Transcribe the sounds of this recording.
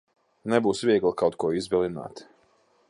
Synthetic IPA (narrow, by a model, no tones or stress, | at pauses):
nɛbuːsvʲiɛɡlˠkawt̪kuɔizbɛlˠina̰ːt̪